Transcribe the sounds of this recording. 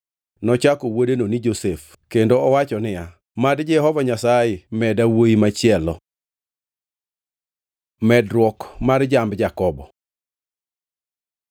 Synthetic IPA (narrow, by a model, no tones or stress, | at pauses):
nɔt͡ʃakowodenonid͡ʒosef | kendoɔwat͡ʃɔnɪja | madd͡ʒɛhɔvaɲasaɪmɛdawoimat͡ʃɪɛlɔ | mɛdɾwɔkmard͡ʒambd͡ʒakɔbɔ